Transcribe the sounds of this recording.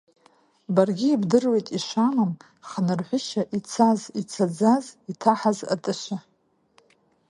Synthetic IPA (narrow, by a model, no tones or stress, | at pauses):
barɡʲiːbdɨrwe̞jtʼiʃʷamam | χanɨrħʷʊʃaʔit͡sʰazit͡sʰad͡zazitʰaħaza̰tʼɨʃʷa